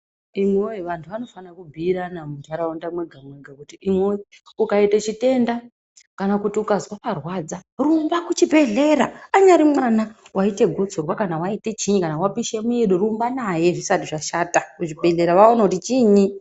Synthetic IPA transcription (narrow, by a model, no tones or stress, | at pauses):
imweiʋantʰuʋano̞fanakubʱiːɾanamutaɾaundamwe̞ɡʱamwe̞ɡʱakutiʔimwei | ukaitet͡ʃite̞nda | kanakutiukazwaparwad͡zarumbakut͡ʃibʱe̞ɮe̞ɾaaɲaɾimwanawʔaite̞ɡʱo̞t͡sorwakanawaite̞t͡ʃiɲikanawapiʃemueɗoɾumbanaje̞ʐisatiʐaʃaːtakut͡ʃibʱe̞ɮe̞ɾaʋaonakutit͡ʃiːɲi